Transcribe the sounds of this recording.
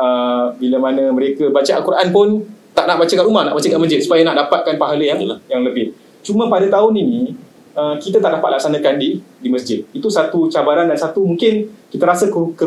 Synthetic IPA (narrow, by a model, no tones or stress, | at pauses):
əbiləmanəməɾekəbat͡ʃaʔalkuɾaʔanpʊnt̪aʔnaʔbat͡ʃakaʔɾumahna̰ʔbat͡ʃəkaʔməsd͡ʒɪt̪̚su̥pajanaʔdapat̪̚kanpaɦaləjaŋjaŋləbɪh | t͡ʃumãpadat̪aʊninĩ | əkit̪at̪aʔdapat̪̚lak̚sanãkandidiməs̬d͡ʒɪt̪̚it̪usat̪ut͡ʃabaɾandansat̪umuŋkɪnkit̪aɾasəkukə